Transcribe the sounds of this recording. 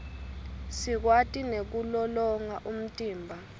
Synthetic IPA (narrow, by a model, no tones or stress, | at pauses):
sik̬watʼinek̬ulɔlɔŋaʔum̩tʼiːmbʱa